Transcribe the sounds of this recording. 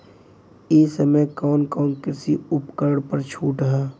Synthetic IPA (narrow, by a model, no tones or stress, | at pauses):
eːsəmekɔːnkɔːnkɪɾsiʊpkəɾɽpəɾt͡ʃʰuːʈəɦɛː